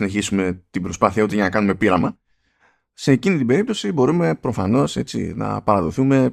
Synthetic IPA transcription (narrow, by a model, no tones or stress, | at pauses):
ine̞çisume̞t̪ibɾo̞spɐθiɐut̪eʝɐnɐkɐnume̞piɾɐmɐ | se̞ːcinit̪ibe̞ɾip̚t̪o̞sibo̞ɾume̞pɾo̞fɐno̞se̞t͡sḭnɐ̰pɐɾɐðo̞θume̞